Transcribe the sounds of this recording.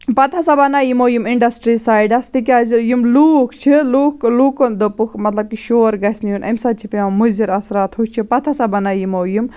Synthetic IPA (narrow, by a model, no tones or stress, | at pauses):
pɐt̪ʰɐsɐbɐnaːjimoːjumiɳɖɐsʈɾisaːjiɖɐst̪ikʲaːzijumluːkt͡ʃʰiluːkluːkond̪opukʰmɐt̪lɐb̚kiʃoːɾɡɐsnijunʔɐ̰msɐt͡ʃʰipãmuziɾɐsɾaːt̪ɦut͡ʃʰipɐt̪ʰɐsɐbɐnajimoːjum